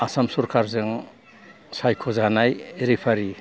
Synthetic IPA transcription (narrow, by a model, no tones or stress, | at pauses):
asamsuɾkʰaɾzɯŋ | sajkʰɔzanajeɾipʰaɾi